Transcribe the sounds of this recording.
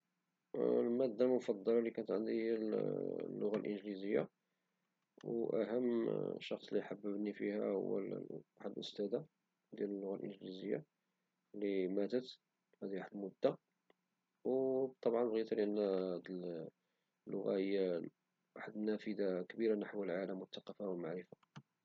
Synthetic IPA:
lmæd̪ːalmʊfɑd̪ˤːɑlɑlikænət̪ʕənd̪iæ | lːʊɣalʔənʒlizəjːa̰ | wʔæ̰ɦəmːʃɑxsˤliħabːəbnifihæ̰hʊ̰wːæ̰aħəd̪lʔʊst̪æd̪a | d̪jæləlːʊɣalʔə̰nʒlizəjːa̰ | limæt̪ət̪ | hæd̪iwaħəd̪mʊd̪ːa | wt̪ˤːɑbʕɑnbɣit̪lʔənːæd̪əl | lːʊɣahəjːæ | waħəd̪næfəd̪akəbiɾanaħwəlʕaləmːwʊt̪ːɑqːɑfawəmaʕɾəfa

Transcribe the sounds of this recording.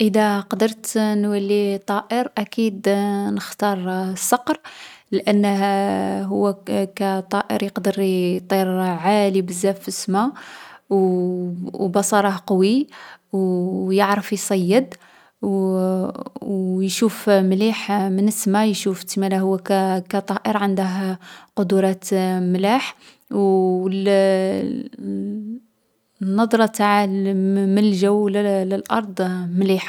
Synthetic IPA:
ʔəd̪æqɑd̪əɾˤt̪nwælːit̪ˤɑʔəɾʔækid̪nəxt̪ɑɾˤsːɑqɾlʔænːəhɦʊwːækæt̪ˤɑʔə̰ɾjəqd̪əɾt̪ˤiɾʕalibəzːæfəsmaw | bɑsˤɑɾˤɑhqɑwi | jəʕɾəfjsˤɑjːəd̪ | w | wjʃufmliħmənəsmajʃuft̪mælæhʊwːækækæt̪ˤɑʔəɾʕənd̪əɦqod̪uɾˤɑt̪mlaħ | wl | nːɑd̪ˤɾˤɑt̪aʕ | məlʒæwlləlʔɑɾˤd̪ˤmliħ

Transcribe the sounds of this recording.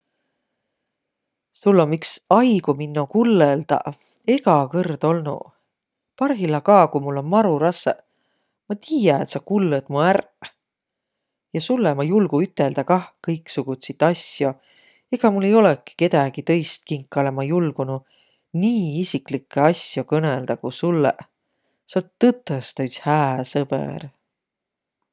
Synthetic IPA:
sulːomːiksɑjɡ̥uminːokulːeld̪̥ɑ̰ | e̞ɡ̥ɑkɤrd̪̥o̞lnṵ | pɑrɦilɑkɑːkujmulːo̞nmɑɾuɾɑsḛ | mɑt̪iːjɑet̪sɑkulːed̪̥muær | jɑsulːemɑjulɡ̥uyt̪ːˑe̞ld̪ɑkɑhkɤjksuɡ̥ut̪sit̪ːˑɑsjo̞ | eɡ̥ɑmulːe̞jo̞leki̥ke̞d̪ɑɡ̥it̪ɤ̞jst̪̚kiŋkːˑɑlemɑjulɡ̥unu | niːisiklikːˑeɑsjo̞kɤneld̪ɑkusulːḛ | sɑt̪ːɤt̪ːˑɑst̪ɑyt̪shæːsɤb̥ḛr

